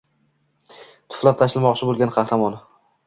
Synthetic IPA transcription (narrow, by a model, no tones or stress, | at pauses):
t̪ʰʊ̥flˠap̚t̪ʰaʃɪlmɒqt͡ʃʰɪbolɡʲanqʰɑhɾamɒn